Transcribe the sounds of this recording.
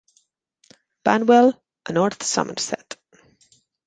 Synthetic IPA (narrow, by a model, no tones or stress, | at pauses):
b̥anwɛlˠ | ʔənɔɹθsʌ̰mə̰nsɛ̰t